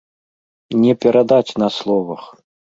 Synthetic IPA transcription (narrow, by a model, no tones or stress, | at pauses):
nʲɛpʲɛɾʔad̪at͡sʲnɐslˠɔvɐx